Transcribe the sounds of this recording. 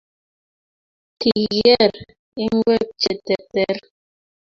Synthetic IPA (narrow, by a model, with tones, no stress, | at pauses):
ti˨ɣɛ˦˨ɾ | e˦ŋ˦ɡwɛ˦p̚t͡ʃɛ˨tɛ˨tɛ˦ɾ